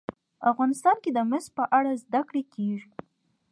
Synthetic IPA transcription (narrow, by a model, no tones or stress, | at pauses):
afɣɑnɪst̪ɑnked̪əmɪspəʔaɽazd̪akɽekeʐi